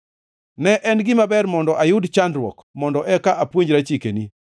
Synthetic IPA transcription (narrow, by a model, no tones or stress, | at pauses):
nɛʔɛnɡɪmabɛrmɔndɔʔajʊdt͡ʃandɾwɔ̰kmɔndɔʔɛkaʔapwoɲɾat͡ʃikeni